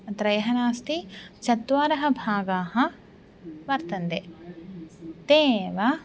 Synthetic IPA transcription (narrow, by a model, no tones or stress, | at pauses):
t̪ɾɐjɐɦɐnaːst̪it͡ʃɐt̪ʋaːɾɐɦɐ̆bʱaːɡaːɦɐ̆ | ʋɐɾt̪ɐnd̪e | t̪eːʋɐ